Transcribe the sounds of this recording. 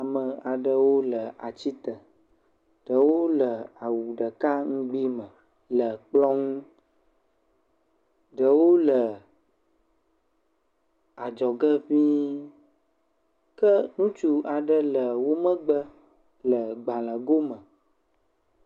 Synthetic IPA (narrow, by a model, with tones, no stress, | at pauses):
a˨mə˨a˨ɖə˦wo˦lə˨a˨t͡ɕi˦t̪ə˨ | ɖ̥ə˨wo˦lə˨a˨wu˨ɖə˨ka˦ŋ̩̃˦ɡ͡bi˦mə̃˨ | lə˨k͡plɔ˦ŋũ˦ | ɖə˨wo˦lə˨ | a˨d͡ʒɔ˨ɡə˦ɸĩ˦ | kə˦nũ˦t͡ʃu˦a˨ɖə˦lə˨wo˦mə̃˦ɡ͡bə˦ | lə˨ɡ͡ba˨lə̃˨ɡo˦mə̃˨